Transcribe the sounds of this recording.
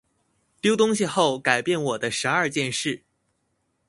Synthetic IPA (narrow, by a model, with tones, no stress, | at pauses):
t̪jo˥ʊt̪ʊ˥ŋɕi˧xo˥˩ʊka˨˩ɪpjɛ˥˩nwɔ˨˩d̪ə˦ʂɻ̩˧˥ɐ˞˥˧t͡ɕjɛ˥˧nʂɻ̩˥˩